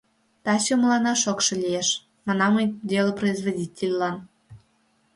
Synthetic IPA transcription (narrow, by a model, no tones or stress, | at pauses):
t̪ɑɕomlˠɑnɑʃokʃɤ̆lʲieʃ | mɑnɑmɤjdʲelˠəproizvodʲitʲelʲlɑn